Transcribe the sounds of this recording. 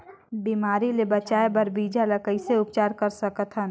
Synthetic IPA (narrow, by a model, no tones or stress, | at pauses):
biːmaːɾilebɐt͡ʃaːebɐɾbiːd͡ʒalɐkəiseʊpt͡ʃaːɾkɐɾsɐkət̪ʰɦən